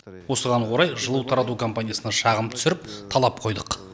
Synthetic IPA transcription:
wo̞səʁɑɴwo̞ɾɑjʒəlˠəwt̪ʰɑɾɑt̪ukʰo̞mpanʲijasənɑʃɑʁəmt̪ʰʏ̥sɪɾɪp̚t̪ʰɑlˠɑp̚qʰo̞jd̪əq

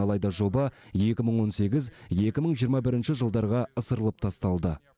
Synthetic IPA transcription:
ɑlˠɑjd̪ɑʒo̞bɑje̞kʲɪməɴwo̞nse̞ɡʲɪzje̞kʲɪməɴʒijəɾmɑbɪɾɪnʃɪʒəlˠd̪ɑɾʁɑəsəɾəlˠəp̚t̪ʰɑst̪ɑlˠd̪ə

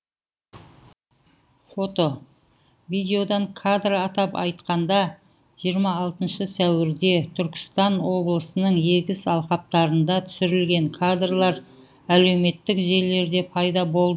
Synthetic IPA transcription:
fo̞t̪o̞ | vijd̪ʲe̞jo̞d̪ɑŋkʰad̪raɑt̪ɑpɑ̰jt̪qɑnd̪ɑ | ʒ̥ijəɾmɑːlˠt̪ənʃəsæwɪɾd̪e̞t̪ʰʏɾkʲɪ̥st̪ɑnwo̞blˠəsənəɴje̞ɡʲɪsɑlˠqɑp̚t̪ɑɾənd̪ɑt̪ʰʏ̥sɪɾɪlɡʲe̞ŋkʰad̪rlˠɑɾ | æle̞wme̞t̪ːɪkʒe̞ɾle̞ɾd̪e̞pʰɑjd̪ɑbo̞lˠd̪ə

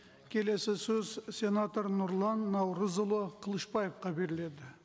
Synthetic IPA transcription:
kʲʰe̞le̞sɪsɵzsʲe̞nat̪oɾnʊɾlˠɑnːɑwɾəzʊlˠoqʰəlˠəʃpɑjefqɑbe̞ɾɪle̞d̪ɪ

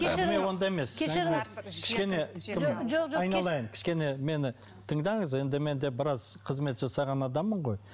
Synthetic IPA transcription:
emewo̞nd̪ɑeme̞sʲʰekʲɪ̥ʃkʲe̞ne̞kʲʰɪmɑjnɑlˠɑjəmkʲʰɪ̥ʃkʲe̞ne̞me̞nɪ | t̪ʰəɴd̪ɑɴəze̞nd̪ɪme̞nd̪e̞bɪɾɑzqʰəzme̞t̪ʒ̥ɑsɑʁɑnɑd̪ɑmːəɴʁo̞j

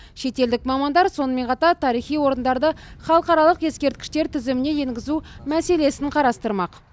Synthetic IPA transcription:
ʃe̞t̪e̞ld̪ɪkmɑmɑnd̪ɑɾso̞nəme̞nqʰɑt̪ɑɾt̪ʰɑɾijχijwo̞ɾənd̪ɑɾd̪əχɑlˠəqɑɾɑlˠəqje̞skʲe̞ɾt̪̚kʲɪ̥ʃt̪e̞ɾt̪ʰɪzɪmɪne̞je̞ŋɡʲɪzumæse̞le̞sɪɴqʰɑɾɑst̪əɾmɑq

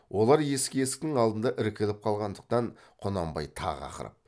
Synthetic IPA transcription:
wʔo̞lˠɑɾje̞skʲeesɪ̥k̚ʲt̪ɪŋɑlˠd̪ənd̪ɑʔɪɾkʲelɪp̚qʰɑlˠʁɑnd̪əq̚t̪ɑɴ | qʰonɑmbɑ̰jt̪ʰɑ̰ʁɑ̰qə̰ɾə̰p̚

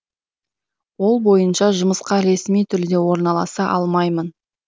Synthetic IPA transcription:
wo̞lˠbo̞jənʃɑʒʊməsqɑɾe̞smijt̪ʰʏld̪e̞wo̞ɾnɑlˠɑ̰sɑʔɑlˠmɑjmən

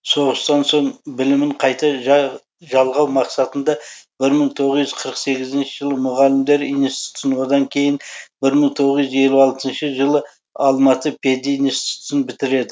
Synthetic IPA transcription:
so̞ʁəst̪ɑnso̞ɴbɪlɪmɪɴqʰɑjt̪ɑ | ʒɑlˠʁɑwmɑqsɑt̪ənd̪ɑbɪɾməɴt̪ʰo̞ʁəzʏzqʰəɾəqse̞ɡʲɪzɪnʃəʒəlˠəmʊʁɑlɪmd̪e̞ɾinst̪i̥t̪sənwod̪ɑŋkʲʰe̞jɪnbɪɾməɴt̪ʰo̞ʁəzʏze̞luɑlˠt̪ənʃəʒəlˠə | ɑlˠmɑt̪əpʲʰed̪inst̪t̪sənbɪt̪ɪɾe̞d̪ɪ

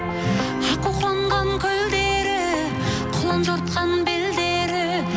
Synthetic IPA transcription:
ʒəquqlˠɑɴʁɑŋkʲʰɵld̪eɾɪ | qʰʊlˠɑnʒoɾt̪̚qɑnbeld̪eɾɪ

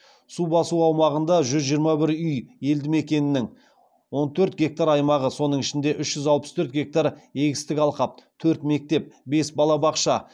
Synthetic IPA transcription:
subɑsuɑwmɑʁənd̪ɑʒʏzʒijəɾmɑbɪɾʏje̞ld̪ɪme̞kʲe̞nɪnɪŋ | wo̞nt̪ʰɵɾt̪̚ɡʲe̞k̚t̪aɾɑjmɑʁəso̞nəɴɪʃɪnd̪e̞ʔʏʃʒ̥ʏzɑlˠpə̥st̪ʰɵɾt̪̚ɡʲe̞k̚t̪aɾe̞ɡʲɪst̪ɪkʲɑlˠqɑp̚t̪ʰɵɾt̪me̞k̚t̪e̞p̚be̞sbɑlˠɑbɑqʃɑ

